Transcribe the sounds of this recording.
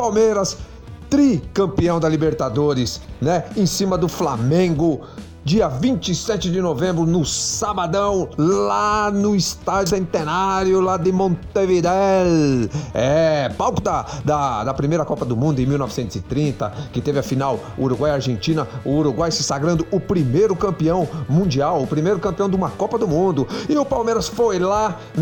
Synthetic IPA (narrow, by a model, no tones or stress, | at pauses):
pawmejɾɐs | t̪ɾikɐ̃mpiɐ̃w̃d̪ɐlibeɾt̪ad̪oɾɪsnɛẽsĩmɐd̪ʊflamẽɡʊ | d͡ʒiɐvĩt͡ʃɪsɛt͡ʃɪd͡ʒ̪ɪnovẽmbɾʊnʊsabad̪ɐ̃w̃lanʊɪst̪ad͡ʒʊsẽnt̪enaɾjʊlad̪ɪmõnt̪evid̪ɛl | ɛpawkʊd̪ɐd̪ɐd̪ɐpɾimejɾɐkɔpɐd̪ʊmũnd̪ʊẽmiwnɔvɪsẽnt̪ʊzɪt̪ɾĩnt̪ɐkɪt̪evɪɐfinaw | ṵɾuɡwajaɾʒẽnt͡ʃĩnɐʊːɾuɡwajsɪsaɡɾɐ̃nd̪ʊʊpɾimejɾʊkɐ̃mpiɐ̃w̃mũd͡ʒiawʊpɾimejɾʊkɐ̃mpiɐ̃w̃d̪ũmɐkɔpɐd̪ʊmũnd̪ʊɪʊpawmeɾɐsfojla